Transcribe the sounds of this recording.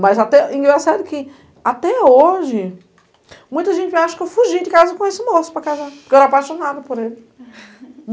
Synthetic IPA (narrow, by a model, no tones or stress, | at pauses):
mɐzat̪ɛĩɡɛsɛd̪ʊkɪ | at̪ɛoʒɪ | mũj̃t̪ɐʒẽnt͡ʃɪaʃʊ̥kɪewfuʒijdɪkazɐkõesɪmosʊ̥pɾɐkazapkɛɾapajʃonad̪ʊpoɾelɪ